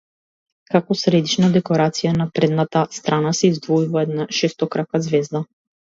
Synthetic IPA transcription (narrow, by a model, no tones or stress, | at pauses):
kakɔsɾɛd̪it͡ʃnad̪ɛkɔɾat̪sijanapɾɛd̪nat̪ast̪ɾanasɛizd̪vɔivɔɛd̪naʃɛst̪ɔkɾakazvɛzd̪a